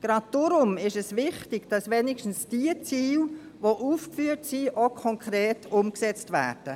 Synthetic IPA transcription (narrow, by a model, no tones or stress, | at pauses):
ɡ̥ɾɑd̚d̥ʊɾʊmɪʃɛsʋɪχtɪɡ̥d̥ɑsʋɛnɪʃtn̩sd̥iət͡siːl | ʋoʔuːfkfyːətsiːʔokʰɔŋkʰɾeːtʰʊmksɛt͡stvæ̰ːrd̥ə